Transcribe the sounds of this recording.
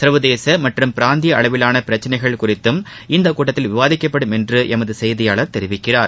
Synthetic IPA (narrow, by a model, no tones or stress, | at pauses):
sɐɾʋɐðeːsɐmɐʈrɯmpɪɾaːnd̪ɪjɐɐɭɐʋɪlaːnɐpɪɾɐt͡ʃːɐnɐɪɣɐɭkʊrɪt̪ːɯm | ɪnd̪ɐkuːʈːɐt̪ːɪlʋɪʋaːðɪkːɐpːɐɽɯmɛndrɯʔɛmɐðɯsɛjðɪjaːɭɐɾt̪ɛɾɪʋɪkːɪraːɾ